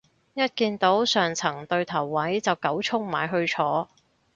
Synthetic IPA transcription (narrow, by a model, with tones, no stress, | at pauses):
jɐ˥t̚kiː˧nt̪o˨˥wsœː˨˩ŋt͡sʰɐ˨˩ŋt̪ɵ˧ɥt̪ʰɐ˨˩wːɐ˨˥jt͡sɐ˨wkɐ˨˥wt͡sʰʊ˥ŋma̰ː˨jɦɵ˧ɥt͡ʃʰɔː˨˥